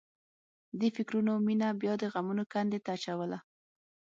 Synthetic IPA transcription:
d̪əfɪkɾunominabjɑd̪əɣamunokand̪et̪aːt͡ʃawəla

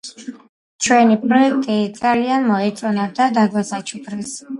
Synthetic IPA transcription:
t͡ʃʰwɛnipʼɾɔɛk̚ʰt̪ʼid̪zʼalianmɔɛt̪sʼɔnad̪ad̪aɡwasat͡ʃʰukʰɾɛs

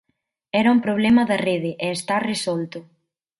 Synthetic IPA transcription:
ɛɾɐumpɾoβlɛmɐðɐreðɪʔɛːst̪aresɔlt̪ʊ

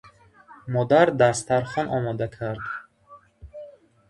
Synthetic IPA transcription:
mɔd̪aɾd̪ast̪aɾχɔnʔɔmɔd̪akʰaɾd̪

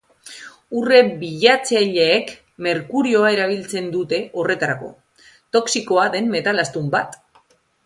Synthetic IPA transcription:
ure̞biʎat͡seʎeːk | me̞ɾkuɾio̞aeɾaβ̞ilt͡se̞nd̪ut̪e̞ʔo̞re̞t̪aɾako̞̰ | t̪o̞ksiko̞aðe̞mːe̞t̪alast̪umbat̪

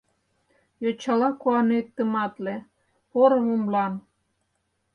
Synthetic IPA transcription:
jot͡ɕɑlɑkuɑnet̪ːə̆mɑt̪le | poɾɤmə̆mlɑn

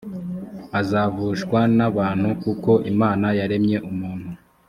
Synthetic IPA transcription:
azaːvuːʃkwanaβaːnhukuko̞ʔimaːnajaɾe̞mɲe̞ʔumuːn̥hu

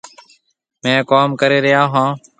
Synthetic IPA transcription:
mɛ̃ːkaːmkəɾeːɾɪjaːɦãː

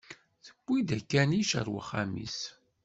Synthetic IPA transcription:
θə̥b̥ʷːid̪ækːæniʃə̰ɾwə̰χːamḭs

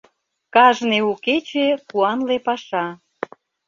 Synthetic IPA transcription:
kɑʒneuket͡ɕepuɑnlepɑʃɑ

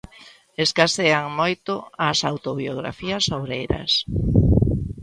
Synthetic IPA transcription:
eskaseaŋmojt̪ʊasawt̪oβioɣɾa̰fiasowɾejɾɐ̰s

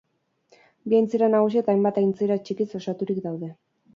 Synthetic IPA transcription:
biajnt͡seɾanaɣ̞usiet̪aːjmbat̪ajnt͡seɾat͡ʃikiso̞sat̪uɾikd̪awðe̞

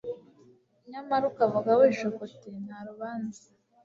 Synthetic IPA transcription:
ɲamaɾukavuɡaweʃokoten̥haɾuβaːnza

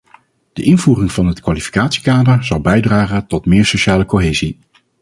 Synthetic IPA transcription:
d̥əʔɪnvuːrɪŋvɑnɦətkʋalifi̥kaːtsi̥kaːdəɹz̥ɑlˠbɛjdraːχəntɔtmɪːɹsoʃaːləkoɦeːzi

